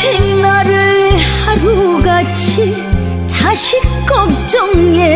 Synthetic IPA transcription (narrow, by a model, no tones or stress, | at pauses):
heŋnaɾɯɭhaɾuɡat͡ɕʰi | t͡ɕʰaɕikk͈ɔk̚t͡ɕɔŋe